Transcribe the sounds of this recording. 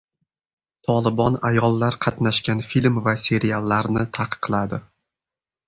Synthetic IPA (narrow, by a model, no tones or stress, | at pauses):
t̪ʰɒlˠɪbɒnajɒlˠːaɾqʰɑt̪naʃkʲanfilʲmvasʲe̞ɾialˠːaɾnɪt̪ʰaqʰɨ̥qʰːlˠad̪ɪ